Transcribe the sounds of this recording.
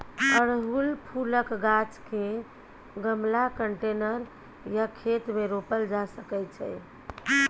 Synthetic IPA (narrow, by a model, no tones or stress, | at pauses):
əɾɦulpʰuləkɡat͡ʃke | ɡəmlakəɳʈenəɾ | jakʰet̪meɾopəld͡ʒasəkɛt͡ʃʰɛ